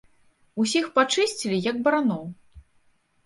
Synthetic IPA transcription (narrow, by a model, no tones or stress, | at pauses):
usʲixpat͡ʂɨsʲt͡sʲilʲijɐɡbɐɾanɔw